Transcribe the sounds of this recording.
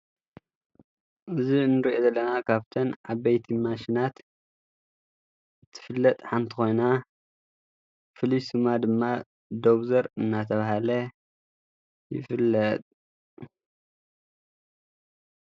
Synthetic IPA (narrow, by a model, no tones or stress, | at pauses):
ʔɨzinːɨɾiʔozɐlːɐnakʰaβt̪ʰɐnʕaβɐjt̪ʰimaʃinat̪ | t̪ʰːɨ̥fɨlːɐt̪ʼħant̪ʰi̥xo̞jna | fɨlisumad̪ɨmːa | d̪oɡzɐɾɨnːat̪ʰɐβahalɐ | jɪ̰fɨlːɐt̪ʼ